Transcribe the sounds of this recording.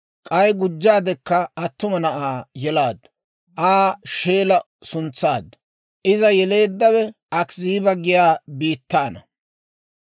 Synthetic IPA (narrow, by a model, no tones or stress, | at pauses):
kʼɐjɡʊd͡ʒːaːd̪ɛkːɐɐt̪ːʊmɐnɐʔaːjɛlaːd̪ | ʔaːʃe̞ːlɐ | sʊnt͡sːaːd̪ɐ | ʔɪzɐjɛle̞ːd̪ːɐwɛʔɐkziːbɐɡɪjaːbiːt̪ːaːnɐ